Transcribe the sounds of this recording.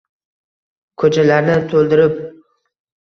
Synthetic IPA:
kʰɵt͡ʃʰalaɾnɪt̪ʰolˠd̪ɪɾɪp̚

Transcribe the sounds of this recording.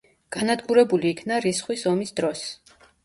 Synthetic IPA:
ɡ̥anad̪ɡuɾɛbuliːkʰnaɾisχwisɔmisd̪ɾɔs

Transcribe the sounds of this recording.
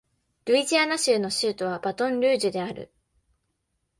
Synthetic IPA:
ɾɯ̟iʑianaɕɨːno̞ɕɨːt̪o̞β̞abat̪õ̞nɾʲɯ̟ːʑɨd̪e̞aɾɯ̟̰

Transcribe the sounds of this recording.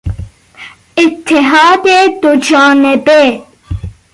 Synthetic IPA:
ɪt̪ːɪɦaːd̪ed̪od͡ʒaːnebe

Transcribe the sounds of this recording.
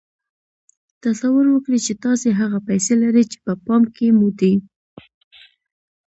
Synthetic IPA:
t̪asawʊɾwəkɽit͡ʃet̪ɑseɦaɣapajselaɾit͡ʃe̥pəpɑmkemud̪i

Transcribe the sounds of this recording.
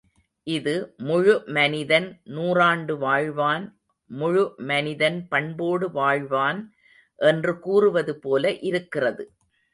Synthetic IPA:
ʔɪðɯmʊɻʊmɐnɪðɐnnuːraːɳɖɯʋaːɻʋaːn | mʊɻɯmɐnɪðɐnpɐɳboːɽɯʋaːɻʋaːn | ʔɛndrɯkuːrɯʋɐðɯpoːlɐʔɪɾɯkːɪrɐðɯ

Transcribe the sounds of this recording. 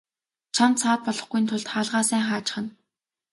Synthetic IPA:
t͡ɕʰant̪sʰaːt̪̚pɔɮɞ̆χɡuj̆nt̪ʰʊɮt̪χaːɮʁaːsæːŋχaːt͡ɕɪ̥̆χə̆n

